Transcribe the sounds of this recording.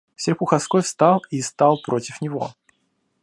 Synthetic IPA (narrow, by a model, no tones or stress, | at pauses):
sʲɪrʲxʊxɐskojfst̪ɑlˠist̪alˠpɾotʲɪfnʲɪvo̞̰